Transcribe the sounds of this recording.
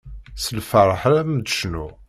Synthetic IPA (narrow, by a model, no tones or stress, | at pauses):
səlfəɾˤəħɾæmd̪əʃnu